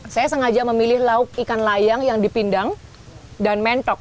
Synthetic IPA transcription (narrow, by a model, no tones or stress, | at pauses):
sajasəŋad͡ʒaməmilɪhlaʊk̚ikanlajaŋjaŋdipindaŋ | danmɛnt̪ɔk̚